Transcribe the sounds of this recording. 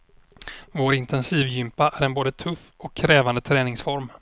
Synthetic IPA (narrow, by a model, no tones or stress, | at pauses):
voɾɪnt̪ɛnsiːvjʏmpaʔæɾɛnboːd̪ət̪ʰɵfːɔkʰːɾɛːvand̪ət̪ʰɾɛːnɪŋsfɔɾm